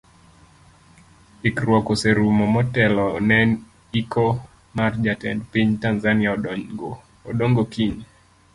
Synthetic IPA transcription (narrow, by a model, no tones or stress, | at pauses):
ikɾwɔkoseɾumɔmɔtɛlɔnɛn | ikʰɔ | mard͡ʒatɛ̰ndpiɲtanzania | ɔɗoŋɡokiɲ